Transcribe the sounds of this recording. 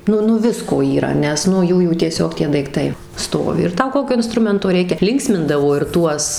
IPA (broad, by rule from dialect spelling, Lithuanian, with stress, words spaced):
ˈnʊ ˈnʊ ˈʋʲɪskoː iːˈrɐ ˈnʲɛs nʊ ˈjuːjuː tʲiɛˈsʲoːk ˈtʲiɛ dɐɪkˈtɐɪ ˈstoːʋʲɪ ɪr ˈtɐʊ ˈkoːkʲoː ɪnˈstrʊmʲɛntoː ˈrʲɛɪkʲɛ ˈlʲɪŋksʲmʲɪndɐʋoː ɪr ˈtuɔs